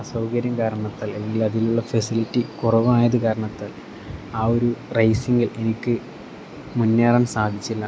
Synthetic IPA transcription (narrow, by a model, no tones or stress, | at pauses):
ɐsɐwkɐɾjɐmkaːɾɐɳɐt̪ːaːleɡilɐðiluɭːɐfɐsilitːikurɐʋɨaːjɐðɨkaːɾɐɳɐt̪ːaːl | aːo̞ɾurɐjsiŋɡile̞nikʲːɨ | munːeːraːnsaːd̪ʱit͡ɕːilːɐ